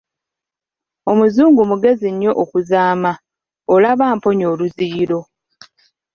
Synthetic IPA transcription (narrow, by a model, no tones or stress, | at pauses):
o̞muzuːŋɡumuɡe̞ziɲːo̞ʔokuzaːma | olaβaːmpo̞ɲo̞ːluziːlo̞